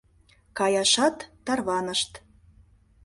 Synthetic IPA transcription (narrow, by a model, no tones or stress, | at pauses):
kɑjɑʃɑt̪ːɑrβɑnəʃt̪